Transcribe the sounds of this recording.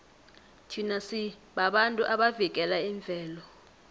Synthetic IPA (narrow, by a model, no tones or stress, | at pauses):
tʰinasi | ɓaɓantʼuʔaɓavik̬ʼɛlaiɱb̪vʱɛːlɔ